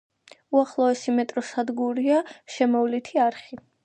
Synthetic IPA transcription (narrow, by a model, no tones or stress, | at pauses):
uaχlˠɔɛsimɛt̪ʼɾɔsad̪ɡuɾiaʃɛmɔvlit̪ʰiaɾχi